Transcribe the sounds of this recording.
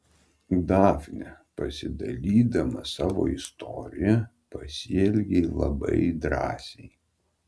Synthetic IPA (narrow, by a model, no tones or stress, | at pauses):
d̪ɑːfʲnʲɛpɐsʲɪd̪ɐlʲiːd̪ɐmɐsɑːʋo̰ːɪst̪ɔɾʲɪjɛ | pɐsʲiɛlʲɡʲɛɪlˠɐ̰bɐ̰ɪd̪ɾɑ̰ːsʲɛɪ